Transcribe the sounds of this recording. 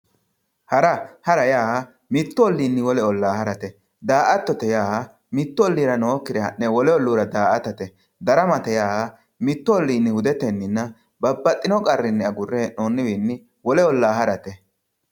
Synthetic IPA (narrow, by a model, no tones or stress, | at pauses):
hɐɾɐhɐɾɐjaːɐ | mɪt̪ːɔɔlːiːnːɪwɔlɛɔlːaːhɐɾɐt̪ɛ | d̪aːʔɐt̪ːɔt̪ɛjaːhɐ | mɪt̪ːɔɔlːiːɾɐnoːkːɪd̪ɛhɐ̰nːɛwɔlɛɔlːuːɾɐd̪aːʔɐt̪ɐt̪ɛ | d̪ɐɾɐmɐt̪ɛjaːɐ | mɪt̪ːɔɔlːiːnːɪhʊd̪ɛt̪ɛnːɪnːɐ | bɐbːɐt̪ʼːɪnɔkʼɐrːɪnːɛɐɡʊrːɛnoːnːɪbiːnːɪ | wɔlɛɔlːaːhɐɾɐt̪ɛ